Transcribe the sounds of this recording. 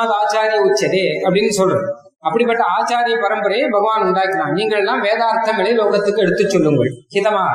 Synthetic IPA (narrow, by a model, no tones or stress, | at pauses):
ðɯaːt͡ʃaːɾɪjɐʊt͡ʃːɐðeɐpːɐɽɪnːɯsɔlːɯɾ | ɐpːɐɽipːɐʈːɐaːt͡ʃaːɾɪjɐpɐɾɐmbɯɾɐjebʱɐɣɐʋaːnʊɳɖaːkːɪɾãːniːŋɡɐɭɛlːãːʋeːðaːɾt̪ːɐŋɡɐɭɐɪloːɣɐt̪ːɯkːɯɛɽɯt̪ːɯt͡ʃːɔlːɯŋɡɐɭkɪðɐmaːɐ